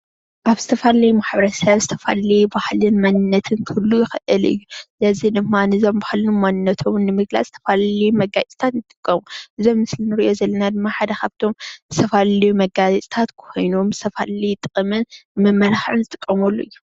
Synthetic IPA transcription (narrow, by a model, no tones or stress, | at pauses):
ʔaβz̥ɨt̪ʰɐfalɐjumaħbɐɾɐsɐβzɨt̪ʰɐfa̰lijubahlɨnmanɨnːɐt̪ʰɨnkʰɨlːujɪxʔɨlɨ̰jːuzɐzid̪ɨmːanɨzo̞mbahlɨnumwanɨnːɐt̪ʰomnːɨmɨɡla̰t͡sʼz̥ɨ̥t̪ʰɐ̥falɐlijumɐɡat͡sʼt̪ʰat̪jɨt̪ʼɨkʼːɐmuʔɨzo̞mːɨslinɨɾiʔo̞zɐlːɐnad̪ɨmːaħad̪ɐkaβt̪ʰo̞mzɨt̪ʰɐfallijumɐɡazɐt͡sʼt̪ʰat̪kʰo̞jnomzɨt̪ʰɐfallit̪ʼɨkʼɨmɨnmɐmːɐlaxʕunzɨt̪ʼɨkʼːɐmɐlːoɨjːu